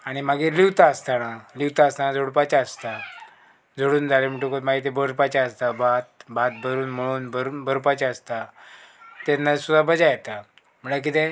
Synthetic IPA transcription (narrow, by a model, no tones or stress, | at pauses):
aɽ̃imaɡiliwt̪aəst̪analiʋt̪aəst̪anad͡zoɽpat͡ɕaəst̪a | d͡zʱoɽuːnd͡zalemiʈokot̪maɡit̪ebəɾpat͡ɕaəst̪abat̪̚bat̪̚bʱəɾuːnm̤əɽ̃uːnbəɾbʱəɾpat͡ɕaəst̪a | t̪enːasud̪abəd͡zajet̪a | m̤əɳlak̬it̪e